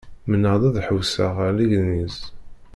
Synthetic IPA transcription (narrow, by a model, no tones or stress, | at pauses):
mənəðˤæðħəwsəʁliʝniz